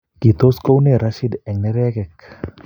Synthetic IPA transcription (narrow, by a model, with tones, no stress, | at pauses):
ki˨t̪o˦sko˦wne˦˨ɾa˦ʃi˦d̪ɛ˨ŋnɛ˦ɾɛ˦kɛ˨k